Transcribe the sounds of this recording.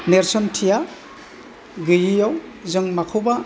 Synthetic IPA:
neɾsɔntʰija | ɡɯjijawzɯŋmakʰawba

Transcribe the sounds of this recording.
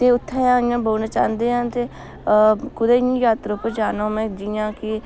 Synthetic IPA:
t̪eːʊt̪ʰːɛːãːĩjãːboːnaːt͡ʃa̰ːnd̪eːɦãːt̪eː | kʊd̪eːĩːjaːt̪ɾopəd͡ʒaːnõːmɛ̃ːd͡ʒijãːkɪ

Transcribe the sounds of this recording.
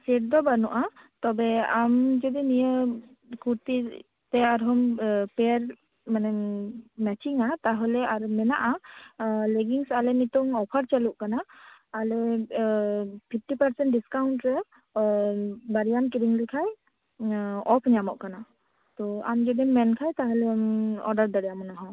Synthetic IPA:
sɛʈ̚d̪ɔbanɔʔat̪ɔbɛamd͡ʒɔd̪inijə | kuɾt̪i | t̪ɛaɾɦɔmpɛɾ | manɛmɛt͡ʃiŋat̪aɦɔlɛaɾmɛna̰ʔa | leɡiŋsalɛnit̪ɔŋɔpʰəɾt͡ʃəluʔkanaːlɛ | pʰip̚ʰʈipəɾsɛɳʈɖiskawɳʈɾɛ | baɾijankiɾiŋlikʰaj | ɔpʰɲamɔʔkana | t̪ɔa̰md͡ʒɔd̪imɛnkʰajt̪aɦɔlɛmɔɾɖəɾd̪əɽɛjamɔnaɦɔ̃

